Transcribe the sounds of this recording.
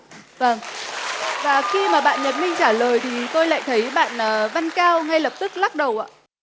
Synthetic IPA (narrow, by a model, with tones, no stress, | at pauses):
və˧˩ŋ | vaː˨˩xi˧maː˨˩ɓa̰ː˧˨nɲə˨˩t̚mï˧ŋ̟t͡ɕaː˧˩ləː˨˩jt̪ʰi˨˩t̪o˧jla̰ː˧˨jt̪ʰə˨˦jɓa̰ː˧˨nʔəː˨˩va˧nkaː˧wŋa˧jlə˨˩p̚t̪ɨ˦˥k̚la˦˥t̚ɗə˨˩wʔa̰ː˧˨